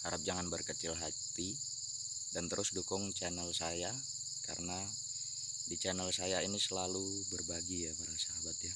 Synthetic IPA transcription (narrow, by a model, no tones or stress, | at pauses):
aɾap̚d͡ʒaŋanbərkət͡ʃɪlɦat̪i | dant̪əɾʔʊsdukʊŋt͡ʃanəlsaja | ka̰ɾəna | dit͡ʃanəlsajainisəlalubərbaɡijapaɾasaɦabat̪̚ɲa